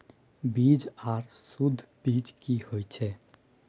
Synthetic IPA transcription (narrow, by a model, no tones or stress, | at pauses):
biːd͡ʒaːɾsʊd̪ʱːbiːd͡ʒkihoːit͡ʃʰɛː